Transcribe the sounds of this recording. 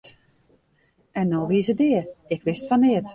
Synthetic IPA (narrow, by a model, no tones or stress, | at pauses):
ɛnːoʋiəsədɪːərɪkʋɪstfɔnɪət